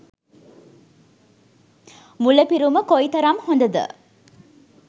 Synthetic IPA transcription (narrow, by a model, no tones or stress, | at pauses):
muləpiɾuməkoit̪ɐɾamhond̪əd̪ə̰